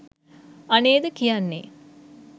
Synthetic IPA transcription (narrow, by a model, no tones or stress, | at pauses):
aneːd̪əkijanːḛ